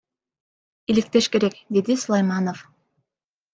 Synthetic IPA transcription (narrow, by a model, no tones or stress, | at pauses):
ilik̚t̪e̞ʃke̞ɾekd̪ed̪isulˠajmɑnof